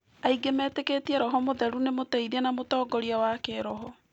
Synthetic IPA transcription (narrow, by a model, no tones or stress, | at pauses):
aiɡemɛːteketiɛɾɔɦɔmoðɛɾunemotɛiðiɛnamotɔːɡɔɾiawakeɾɔɦɔ